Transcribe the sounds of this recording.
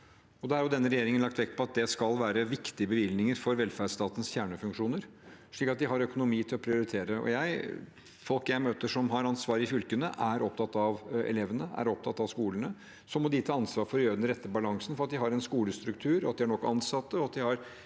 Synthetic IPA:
ɔd̪ɛhɑɾjʊd̪ɛnːəɾɛjeːɾɪŋənlɑkt̪ʋɛkːpʰɔɑt̪̚d̪ɛskɑlʋæːɾəʋɪkt̪ɪəbəʋɪlnɪŋəɾfɔɾʋɛlfæɖʂt̪ɑːt̪ənsfjæːɳəfʉŋkʂuːnəɾʂɭiːkːɑt̪̚d̪ɪɦɑɾœkʊnʊmiːt̪ʰɪlɔpʰɾɪʊɾɪt̪ʰeːɾəɔ̰jæɪ | fɔlˠkjæɪmøːt̪əʂɔmɦɑɾɑnsʋɑːɾəɪfʏlkənəʔæɾɔp̚t̪ʰɑt̪ːɑʋɛ̰leʋənəæ̰ɾɔp̚t̪ʰɑt̪ːɑʋskuːlənə | sɔmːɔd̪ɪt̪ʰɑːɑnsʋɑːɾfɔɾjøːd̪ɾɛt̪ːəbɑlɑŋsən̩fɔɾɑt̪d̪ɪɦɑɾɛnskuːləst̪ɾʉkt̪ʰʉːɾɔɑt̪̚d̪ɪæɳɔkːɑ̰nsɑt̪ːəɔɑt̪̚d̪ɪhɑɾ

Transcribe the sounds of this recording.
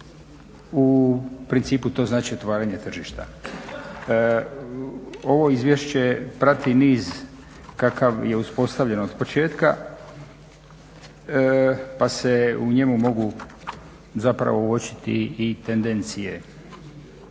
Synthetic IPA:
upɾint̪siːput̪o̞ːznaːt͡ʃiot̪ʋaːɾaɲet̪r̩ʒiʃt̪a̰ | o̞ʋo̞izʋje̞ʃt͡ɕe̞pɾat̪iniːz | kakaʋje̞uspo̞st̪aʋʎe̞nood̪po̞t͡ʃe̞ːt̪ka̰ | pase̞uɲe̞mumo̞ɡu | zapɾa̰ʋouo̞t͡ɕi̥t̪ḭːt̪end̪e̞nt̪sije̞

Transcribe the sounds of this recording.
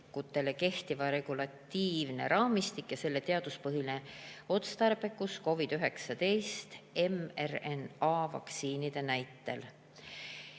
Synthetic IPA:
kut̪ːˑe̞le̞ke̞ht̪ivɑɾe̞ɡ̥ulɑt̪ːiːvne̞̰ɾɑːmist̪ikjɑse̞lːe̞t̪e̞ɑd̪̥uspɤɦineo̞t̪st̪ɑrb̥e̞kusko̞vid̪̥yɦe̞ksɑt̪e̞jst̪e̞merenɑːvɑ̰k̪siːnid̪̥e̞næjt̪ːˑe̞l

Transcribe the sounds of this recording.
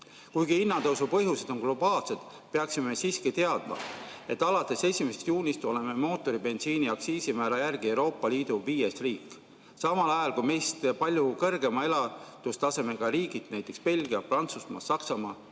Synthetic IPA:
kujɡiinːɑt̪ɤwsupɤ̞ɦjuse̞d̪̥o̞nɡ̥lo̞b̥ɑːlse̞d̪̥ | peɑksimemesiːskit̪e̞ɑd̪̥̚mɑ̰e̞t̪ːˑɑlɑt̪ːˑe̞se̞sʲimesest̪juːnʲist̪o̞le̞me̞mo̞ːt̪ːˑo̞ɾibe̞nsiːniɑksiːsimæːlɑjærɡ̥ie̞wɾo̞ːpːˑɑliːd̪̥uviːjesriːkːˑ | sɑmɑlɑjɑlkujme̞jst̪pɑlʲjukɤrɡe̞mɑe̞lɑt̪ust̪ɑse̞me̞ɡ̥ɑɾiːɡit̪næjt̪ːˑekspe̞lɡiɑprɑnt̪susmɑ̰sɑksɑmɑː

